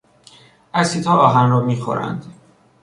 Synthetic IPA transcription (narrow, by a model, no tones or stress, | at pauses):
ʔæsiːt̪ʰɒːɒːɦænɾɒːmiːxo̰ɾæ̰nd̪̥